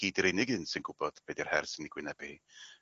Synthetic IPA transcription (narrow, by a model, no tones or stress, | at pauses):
ɡ̥iːdiɾɪnɪɡɨnsɪnɡʊb̥ɔd̥b̥edir̥hɛrsɪniɡwɪnɛb̥ii